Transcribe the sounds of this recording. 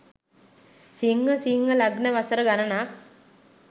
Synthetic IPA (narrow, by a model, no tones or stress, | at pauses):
siŋːəsiŋːəlaɡnəʋasəɾəɡanənak̚